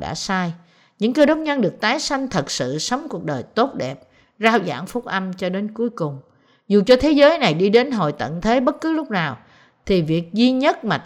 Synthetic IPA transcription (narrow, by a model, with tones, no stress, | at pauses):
ɗa̰ː˧˥saː˧j | ɲɨ̰˧˥ŋkəː˧ɗə˨˦wk͡p̚ɲə˧nɗɨ˨˩ək̚t̪aː˨˦jsa˧jŋ̟t̪ʰə˨˩k̚sɨ̰˧˨sə˨˦wŋ͡mku˨˩ək̚ɗəː˨˩jt̪o˦˥t̚ɗɛ˨˩p̚ | zaː˧wza̰ː˧˥ŋfʊ˦˥k͡p̚ʔa˧mt͡ɕɔ˧ɗe˨˦nku˨˦əjkʊ˨˩ŋ͡m | zu˨˩t͡ɕɔ˧t̪ʰe˨˦zəː˨˦jna˨˩jɗi˧ɗe˨˦nɦo̰˧˨jt̪ə̰˧˨nt̪ʰe˨˦ɓə˦˥t̚kɨ˨˦lʊ˦˥k͡p̚naː˨˩w | t̪ʰi˨˩vi˨˩ək̚zi˧ɲə˦˥t̚maː˨˩t̪